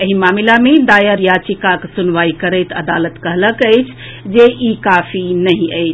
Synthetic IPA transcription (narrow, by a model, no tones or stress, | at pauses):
əɦimamilamed̪ajəɾjat͡ʃikaksunʋaikəɾəɪt̪əd̪alət̪kəɦləkəɪt͡ʃʰ | d͡ʒeʔikapʰinəɦĩəɪt͡ʃʰ